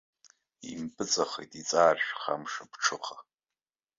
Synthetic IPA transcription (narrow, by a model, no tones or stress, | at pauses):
ḭmbʼɨt͡sʼaχejtʼit͡sʼaːrʂχa̰mʂabʈ͡ʂʰɨχa